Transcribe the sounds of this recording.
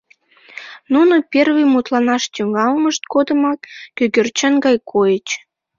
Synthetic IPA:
nunopʲerβɨjmut̪lɑnɑʃt̪yŋɑlməʃt̪̚kod̪əmɑk̪køɡørt͡ɕənɡɑjkʰojət͡ɕ

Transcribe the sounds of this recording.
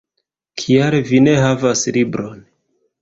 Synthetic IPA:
kʰiaɾvine̞ɦavaslibɾo̞n

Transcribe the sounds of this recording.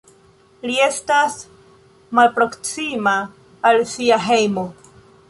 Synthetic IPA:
lie̞stas | malpɾo̞ksimaː | lsiaɦe̞jmo̞

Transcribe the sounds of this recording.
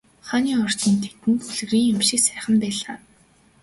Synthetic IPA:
χaniːɔr̥t̪iːnt̪ʰet̪ɘ̆nt̪xuɮ̆ɣriːŋʊmʃɪ̆ksæːχə̆mpæːɮaː

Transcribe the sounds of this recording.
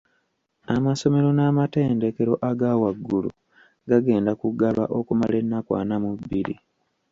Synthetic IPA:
amaso̞me̞ɾo̞namate̞ːnde̞ke̞ɾo̞ʔaɡawaɡːulṵ | ɡaɡe̞ːndakuɡaβa̰ʔo̞kumale̞nːakwa̰ːnamubːiɾḭ

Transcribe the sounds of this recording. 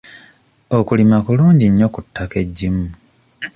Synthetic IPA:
o̞kulimakuluːɲɟiɲːo̞kutːake̞ɟːimu

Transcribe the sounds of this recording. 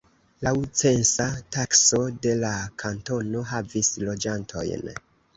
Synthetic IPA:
lawt͡se̞nsatakso̞de̞lakʰanto̞no̞ɦavislo̞d͡ʒantʰo̞̰jn

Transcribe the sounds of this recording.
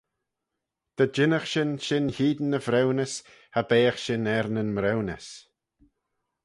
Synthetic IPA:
d̪̥əd͡ʒɪnəxʃɪnʃɪnhiːd̪nəvɾɛwnəs | habeːəxʃɪnɛɾnənmɾɛwnəs

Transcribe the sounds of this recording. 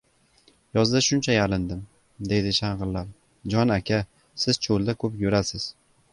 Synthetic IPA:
jɒzd̪aʃʊnt͡ʃʰajalɪnd̪ɪm | d̪e̞d̪ɪʃaɴʁɨɾlaɾ | d͡ʒɒnakʲʰa | sɪz̥t͡ʃʰolˠd̪akʰɵpjʊɾasɪz̥

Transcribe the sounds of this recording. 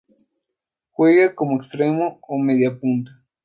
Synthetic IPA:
xweɣakomoekst̪ɾemoomeðjapunt̪ḁ

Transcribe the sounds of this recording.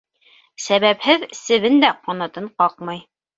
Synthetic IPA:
sæβæphɘðsɘ̆βɘnd̪æqɒnɑt̪ɤɴqɑqmɑj

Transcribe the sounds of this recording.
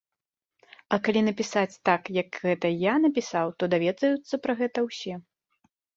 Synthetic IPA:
ɐkalʲinɐpʲisat͡sʲt̪akjɐkɣɛt̪ɐjanɐpʲisawt̪ɔd̪avʲɛd̪zɐjut̪sːɐpɾɐɣɛt̪ɐwsʲɛ

